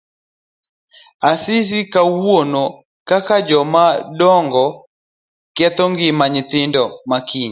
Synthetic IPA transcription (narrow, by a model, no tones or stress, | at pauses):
asis̬ikawwonɔ | kakad͡ʒɔmaɗɔŋɡɔ | kjatɔŋɡɪmaɲitɪndɔmakiɲa